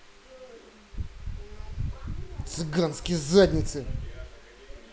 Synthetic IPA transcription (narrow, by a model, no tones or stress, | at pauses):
t̪sɨɡanskʲɪjzad̪ʲnʲɪt̪sɨ